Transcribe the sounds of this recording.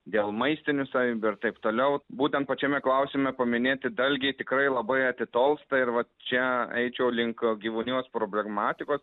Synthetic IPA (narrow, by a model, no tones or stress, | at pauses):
d̪ʲeːlˠmɐɪsʲt̪ʲɪnʲʊsɐʋʲiːbʲʊɪɾt̪ɐɪpt̪oːlʲɛʊbuːt̪ʲɛnt̪̚pɐt͡ʃʲɛmʲɛklˠɐʊsʲɪmʲɛpɐmʲɪnʲeːt̪ʲɪd̪ɐlʲɡʲɛɪt̪ʲɪkɾɐɪlˠɐbɐɪɐt̪ʲɪt̪oːlˠst̪ɐɪɾʋɐt͡ʃʲɛɛ̰ɪt͡ʃʲɛʊlʲɪŋkɡʲiːʋunʲuːspɾoːbʲlʲɛɡmɑːt̪ʲɪkoːs